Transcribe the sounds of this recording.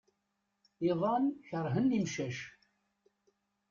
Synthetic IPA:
iðˤɑnçəɾˤɦənːimʃæʃ

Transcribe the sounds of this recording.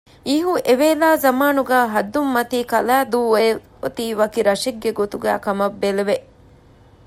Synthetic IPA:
iɦuʔeʋeːlaːzɐmaːnuɡaːɦɐd̪ːumːɐt̪iːkɐlaːd̪uːe | ot̪iːʋɐkiɾɐʃiɡːeɡot̪uɡa̰ːkɐmɐbːeleʋe

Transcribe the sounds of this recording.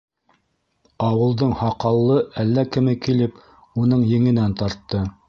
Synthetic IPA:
ɑwɤ̆lˠd̪ɤɴhɑqɑlˠːɤʔælːækɘ̆mɘkilɘp | un̪ɤɴjɘ̆ŋɘ̆nænt̪ɑɾt̪ːɤ

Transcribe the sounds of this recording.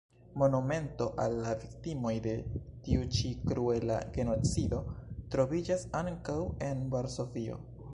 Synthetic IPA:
mo̞nume̞nto̞ʔalːaviktimo̞jde̞tiut͡ʃikɾue̞la̰ɡe̞no̞t͡sido̞tɾo̞vid͡ʒasaŋkawe̞nvaɾso̞vio̞̰

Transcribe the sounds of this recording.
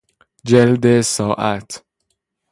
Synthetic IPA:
d͡ʒeld̪esɒːʔæt̪ʰ

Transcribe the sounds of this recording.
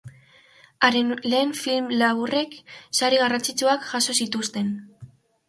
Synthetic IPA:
aɾenle̞ːɱfilmlaβure̞ksaɾiɣarant͡sit͡suakʝaso̞sit̪ust̪e̞n

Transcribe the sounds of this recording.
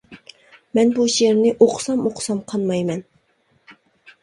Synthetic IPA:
mɛnbuʃeɾnɪʔoqʰsɑmoqʰsɑmqʰɑnmɑjmɛn

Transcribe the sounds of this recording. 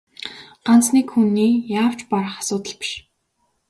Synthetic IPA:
ɢ̥ant͡sniːkxunːiːjaːw̥t͡ɕpaɾə̆χḁsʊːt̪ə̆ɮpi̥ʃ

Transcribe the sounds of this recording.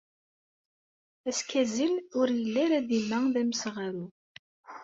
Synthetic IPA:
æskæzilʊɾjəlːæɾæðimæðæməsʁaɾu

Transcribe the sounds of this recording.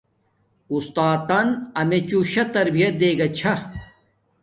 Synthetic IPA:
ust̪aːt̪ːɐnɐmet͡ɕuɕɐt̪ɐɾbijɐt̪̚d̪eːɡɐt͡ɕʰɐ

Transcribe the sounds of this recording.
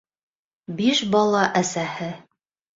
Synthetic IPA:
biʃbɑlˠɑʔæsæhɘ

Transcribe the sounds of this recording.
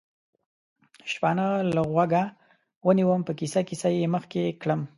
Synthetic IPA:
ʃpanalaɣwaɡa | wəniwəmpəkisakisajeməxkekɽəm

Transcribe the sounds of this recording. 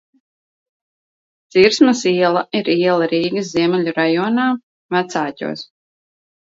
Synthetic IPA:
t̪siɾsmasiɛlˠaiɾiɛlˠaɾiːɡɨs̬ziɛmɛʎʲuɾajɔːnaː | mæt̪saːcʲṵːs

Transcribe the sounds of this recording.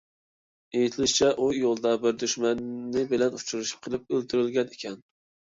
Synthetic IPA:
ejit̪ʰɪlɪʃt͡ʃʰɛʔujolˠd̪ɑbɪɾd̪yʃmɛnːɪbɪlɛnut͡ʃʰuɾuʃi̥p̚qʰəlˠɪp̚ølt̪ʰyɾɪlɡʲɛnekʲʰɛn

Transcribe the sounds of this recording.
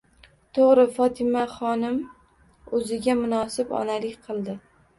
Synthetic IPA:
t̪ʰoʁɾɪfɒt̪ʰɪmaχɒnɪm | ɵzɪɡʲamʊnɒsɪbɒ̰nalɪkʲqʰɨlˠd̪ɪ

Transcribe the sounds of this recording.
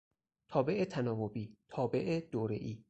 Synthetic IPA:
t̪ʰɒːbe̞ʔet̪ʰænɒːvobiːt̪ʰɒːbe̞ʔed̪oːɾḛʔiː

